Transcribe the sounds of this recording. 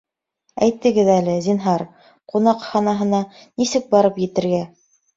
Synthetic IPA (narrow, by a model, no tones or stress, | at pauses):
æ̰jt̪ːɘ̆ɡɘðælɘzinɦɑɾ | qunɑqχɑnɑɦɤ̆nɑ | nisɘk̚bɑɾɤpjɘ̆t̪ɘ̆ɾɡæ